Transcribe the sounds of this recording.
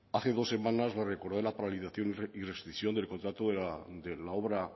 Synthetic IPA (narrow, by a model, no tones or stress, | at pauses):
aθe̞ðo̞sːe̞mãnazlareko̞ɾðelapaɾaliθaθjo̞nirest̪ɾiksjo̞nd̪e̞lkont̪ɾat̪oðed̪elao̞βɾa